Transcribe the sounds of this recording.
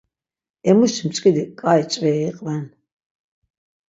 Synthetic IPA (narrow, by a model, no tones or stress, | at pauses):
ɛmuʃimt͡ʃʼkʼid̪ikʼajt͡ʃʼvɛːiqʼvɛn